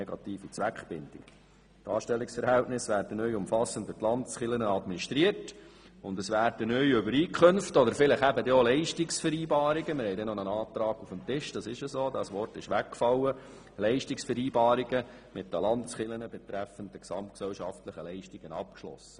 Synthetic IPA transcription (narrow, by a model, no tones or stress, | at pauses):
eɡɑt̪iːfit͡sʋækχb̥ɪnd̥ɪk | tɑːʃtɛlːɪksfəɾhɛltnɪsʋæːɾd̥ənœjʊmfɑsːən̩tvɪtlɑndəsχɪlənəɑdminiʃtɾiərt | ʊnd̪əsʋæːɾd̥ənœʏʏbəɾiːkχɵnftɔd̪əɾfɪləχæbəd̪eolɛɪʃtɪksfəɾiːbɑːɾiɡəmɪɾhɛɪdɛnonənɑːt̪ɾɑːɡufəmt̪ɪʃd̥ɑsɪʃəsoːdɑsʋɔrtɪʃʋækːfɑlːə | lɛɪʃtɪksfəɾiːbɑːɾiɡə | mɪt̚d̥əlɑndəsχɪlənəbɛt̪ɾɛfənd̪əksɑmt̚ksɛlʃɑftləχəlɛɪʃtiɡ̥ənɑp̚kʃlɔ̰sə